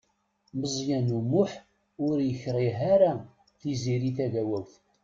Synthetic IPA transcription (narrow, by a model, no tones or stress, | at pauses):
məzˤjænumʊħ | ʊɾjəçɾˤiɦaɾa | θiziɾiθæʝæwæwθ